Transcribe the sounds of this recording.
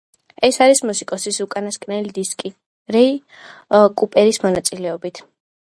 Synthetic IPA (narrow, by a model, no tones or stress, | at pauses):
ɛsaɾismusikʼɔsisukʼanaskʼnɛlid̪iskʼi | ɾɛi | kʼupʼɛɾismɔnat̪sʼilɛɔbit̪ʰ